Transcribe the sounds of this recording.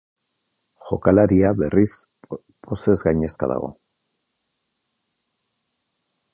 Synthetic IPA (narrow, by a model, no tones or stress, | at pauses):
ʝo̞kalaɾiaβe̞ris | po̞se̞zɣajɲe̞ska̰ða̰ɣo̞̰